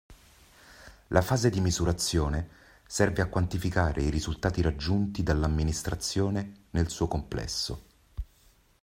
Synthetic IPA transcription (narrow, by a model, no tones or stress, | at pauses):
lʔafaːzed̪imizuɾat̪sːjoːne | sɛrveakwant̪ifikaːɾeiɾizult̪aːt̪iɾad͡ʒːunt̪id̪alːamːinist̪ɾat̪sːjoːnenelsuːokomplɛ̰sːo